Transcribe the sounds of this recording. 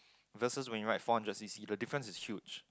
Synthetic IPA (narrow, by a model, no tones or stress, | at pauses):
vəsəswɛ̃njuɹaɪtfɔ̃nd͡ʒasisidədifɹə̃nsɪshjud͡ʒ